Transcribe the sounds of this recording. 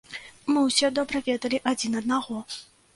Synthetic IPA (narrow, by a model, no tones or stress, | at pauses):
mɨwsʲɛd̪ɔbɾɐvʲɛd̪ɐlʲiʔad͡zʲinɐd̪naɣɔ